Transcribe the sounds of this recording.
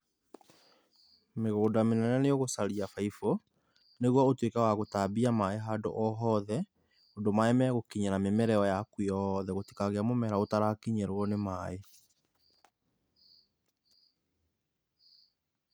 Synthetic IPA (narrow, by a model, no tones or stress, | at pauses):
meɣoːdamenɛɾaneoɣosaɾiafaifɔ | neɣwɔotwekɛwaɣotabiamaeɦaːdo̰ʔɔɦɔːðɛ | ondomaɛmɛɣokiɲanamemɛɾɛɔjakwiɔðɛɣoti̥kaɣeamomɛɾaotaɾakiɲɛɾoɔnemae